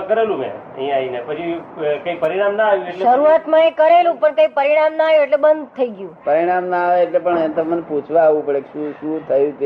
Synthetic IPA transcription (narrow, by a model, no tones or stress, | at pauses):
kəɾelũmḛ̃ə̰ɦĩainepət͡ʃʰikəipəɾiɽ̃amnaaʋjũelʃəɾuat̪mãekəɾelũpəɳkəipəɾiɽ̃amnaajũeʈlebənd̪ʱt̪ʰəiɡjũpəɾiɽ̃amnaːʋeːʈlepəɳɛ̃nt̪əmənput͡ʃʰʋaːʋũpəɽekʃũʃũt̪ʰəjũt̪e